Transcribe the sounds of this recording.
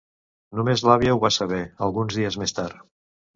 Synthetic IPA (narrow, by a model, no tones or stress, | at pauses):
numezlaβjəuβasəβ̞ɛəlˠɣunzðiəzmest̪aɾ